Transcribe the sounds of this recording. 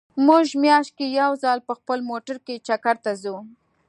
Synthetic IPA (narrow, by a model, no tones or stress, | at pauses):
mʊʒmjɑʃt̪̚kejawzɑlpəxpəlmoʈaɾket͡ʃakaɾt̪azu